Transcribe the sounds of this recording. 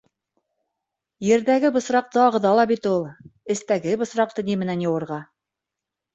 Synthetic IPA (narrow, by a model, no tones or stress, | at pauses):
jɘ̆ɾðæɡɘbɤ̆sɾɑq̚t̪ɤɑʁɤ̆ðɑlˠɑbit̪ulˠɘ̆st̪æɡɘbɤ̆sɾɑq̚t̪ɤnimɘ̆nænjɤ̆wɤ̆ɾʁɑ